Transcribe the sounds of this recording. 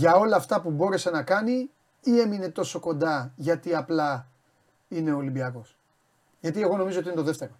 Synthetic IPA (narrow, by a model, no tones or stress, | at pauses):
ʝɐo̞lɐːft̪ɐpubo̞ɾe̞se̞nɐkɐni | ie̞mine̞t̪o̞so̞ko̞nd̪ɐʝɐt̪iɐplɐ | ine̞olimbiɐko̞s | ʝɐt̪ie̞ɣo̞no̞mizot̪iinet̪o̞ðe̞ft̪e̞ɾo